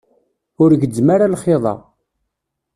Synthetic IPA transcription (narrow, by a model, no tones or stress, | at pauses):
ʊɾʝəd͡zːmaɾalχeðˤɑ̰